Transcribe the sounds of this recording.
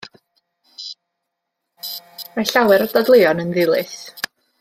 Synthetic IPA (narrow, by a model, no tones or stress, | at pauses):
maɬawɛɾɔdadlˠɪɔnənðɪlˠɨθ